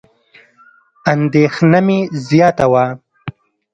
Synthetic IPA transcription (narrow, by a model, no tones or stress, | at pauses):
and̪exnamezjɑːt̪awa